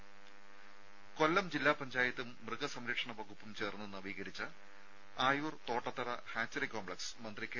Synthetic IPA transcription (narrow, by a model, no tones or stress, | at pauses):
ko̞lːɐmd͡ʑilːaːpɐɲd͡ʑaːjɐt̪ːumːrɨɣɐsɐmɾɐkʂɐɳɐʋɐɣupːumt͡ɕe̞ːrnːenɐʋiːɣɐɾit͡ɕːɐ | aːjuːrt̪o̞ːʈːɐt̪ːɐrɐhaːt͡ɕːɐrikoːmbɭɐksmɐnd̪rike